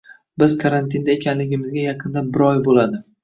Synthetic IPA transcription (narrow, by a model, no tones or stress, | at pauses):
bɪz̥kʰaɾant̪ʰɪnd̪aekʲʰanlɪɡʲɪmɪzɡʲajɑqʰɨnd̪abɪɾɒjbolad̪ɪ